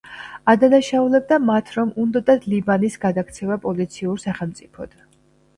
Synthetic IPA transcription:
ad̪anaʃaulɛb̚d̪amat̪ʰɾɔmund̪ɔd̪ad̪libanisɡad̪akt̪sʰɛvapʼɔlit̪sʰiuɾsaχɛlˠmt̪sʼipʰɔd̪̥

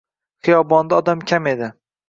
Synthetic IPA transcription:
χɨjɒbɒnd̪aɒd̪amkʲʰame̞d̪ɪ

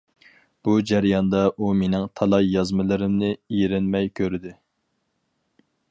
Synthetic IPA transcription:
b̥ud͡ʒæɾjɑnd̪ɑʔumenɪŋt̪ʰɑlˠɑjjɑzmɨlˠɨɾɪmnɪiɾɪnmɛjkʲʰøɾɪd̪ɪ

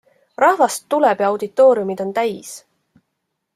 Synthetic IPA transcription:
rɑhvɑst̪ːulɛb̥jɑwd̪it̪ːˑo̞ːɾiumid̪̥o̞nt̪æjs

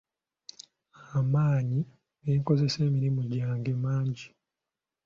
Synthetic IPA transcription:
amaːɲi | eiŋko̞ze̞se̞ːmiɾimuɟaːŋɡe̞maːɲɟi

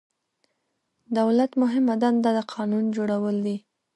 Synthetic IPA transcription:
d̪awlat̪mʊɦɪmad̪and̪ɑd̪əqʰɑnund͡ʒoɽawəld̪i

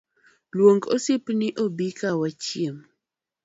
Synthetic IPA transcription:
lwoŋɡosɪpnɪʔobikawat͡ʃiem

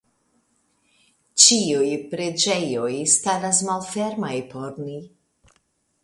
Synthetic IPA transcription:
t͡ʃiujpɾed͡ʒejojst̪aɾasmalfeɾmajpoɾni

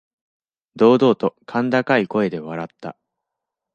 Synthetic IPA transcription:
d̪o̞ːd̪o̞ːt̪o̞kʰãnd̪akaiko̞e̞d̪e̞β̞aɾat̪ːa̰

